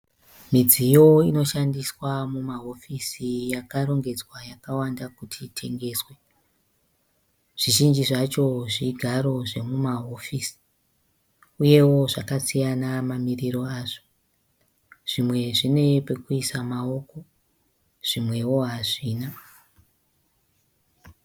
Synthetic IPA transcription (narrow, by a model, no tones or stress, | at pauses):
mid͡zijo̞ino̞ʃandiswamumaɦo̞fisijakaɾo̞ŋɡe̞d͡zwajakawandakutʰitʰe̞ŋɡe̞ːswe̞ | ʐ̥iʒind͡ʒiʐat͡ʃo̞ʐiɡʱaɾo̞ʐe̞mumaɦo̞fisi̥ | uje̞wo̞ʐakasijanamamiriɾo̞aːʐo | ʐ̥imwe̞ʐine̞pekuisamao̞ko̞ | ʐ̥imwe̞wo̞ɦaʐiːna